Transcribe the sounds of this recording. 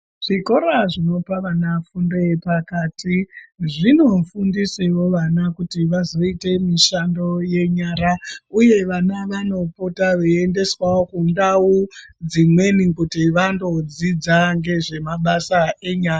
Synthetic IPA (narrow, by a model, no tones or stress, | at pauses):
ʐ̥iko̞ɾaʐino̞paʋanafundepakaːtʰiʐino̞fundisewo̞ʋanakutiʋazo̞ite̞miʃando̞je̞ɲaɾauje̞ʋanaʋano̞potaʋeende̞swawokundawud͡zimwe̞nikutiʋando̞d͡zid͡zaŋɡe̞ʐe̞maɓasaeɲaːja